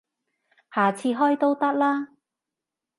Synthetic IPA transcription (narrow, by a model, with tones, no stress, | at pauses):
haː˨t͡sʰiː˧ɦɔː˥jt̪o˥wt̪ɐ˥k̚laː˥